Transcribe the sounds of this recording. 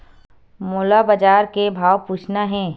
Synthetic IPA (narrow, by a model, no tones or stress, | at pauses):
moːlabad͡ʒaːɾkebʱaːwpuːt͡ʃʰnaɦɛ̃ː